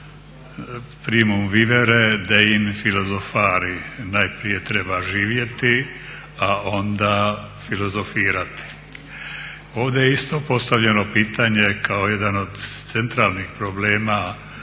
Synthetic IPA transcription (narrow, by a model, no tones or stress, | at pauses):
pɾimumʋiʋeɾed̪aimfilo̞zofaːɾinajpɾije̞t̪ɾe̞baʒiːʋje̞t̪i | ao̞nd̪a | filo̞zo̞fiːɾat̪i̥ | o̞ːʋd̪ejeist̪o̞po̞st̪aʋʎeno̞piːt̪aɲe̞kaoje̞d̪ano̞d̪t̪sent̪ɾaːlnixpɾobleːma